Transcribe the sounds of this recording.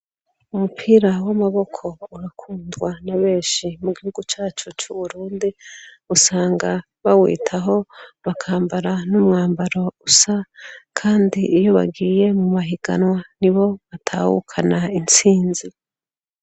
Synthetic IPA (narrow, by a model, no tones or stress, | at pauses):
umupʰiːɾawamaβo̞kʰo̞uɾakʰuːndɡwanaβe̞ːʃimuɡihuɡut͡ʃaːt͡ʃut͡ʃuβuɾuːndi | usaːŋɡa | βawḭːtʰaɦo̞βakʰaːmbaɾanumŋaːmbaɾo̞usakʰaːndiʔijo̞βa̰ɡiːje̞mumaɦiɡa̰nwaniβo̞βatʰa̰hṵkʰanaint͡siːnzi